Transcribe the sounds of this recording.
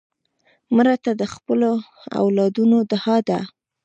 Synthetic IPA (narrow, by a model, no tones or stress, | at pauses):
mɾat̪ad̪əxpəlo | a̰wlɑd̪unod̪əhɑd̪a